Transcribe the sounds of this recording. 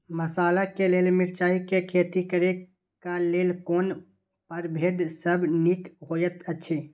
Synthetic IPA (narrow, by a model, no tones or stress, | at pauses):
məsaːlakeleːlmɪɾt͡ʃaːikekʰeːt̪ikəɾe | kaleːlkoːn | pəɾbʱeːd̪səbnikɦoːjət̪ət͡ʃʰi